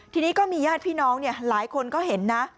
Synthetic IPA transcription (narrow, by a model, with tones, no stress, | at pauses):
t̪ʰiː˧niː˦˥kɔː˥˩miː˧jaː˥˩t̪̚pʰiː˥˩nɔː˦˥ŋni˥˩ɐlaː˩˦jkʰo˧nkɔː˥˩ɦe˩˦nːa˦˥